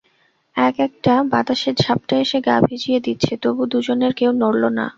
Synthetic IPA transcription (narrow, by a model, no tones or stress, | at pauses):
ɛkɛk̚ʈabat̪aʃeɾd͡ʑʱap̚ʈaeʃeɡa̰bʱid͡ʑijed̪itːɕʰet̪obud̪ud͡ʑoneɾkewnoɽlona̰